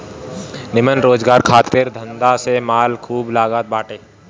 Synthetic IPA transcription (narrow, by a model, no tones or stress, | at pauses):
nɪmənɾoːd͡ʒɡaːɾkʰaːt̪ɪɾd̪ʱə̃nd̪asemaːlkʰuːblaːɡaːt̪̚baːʈeː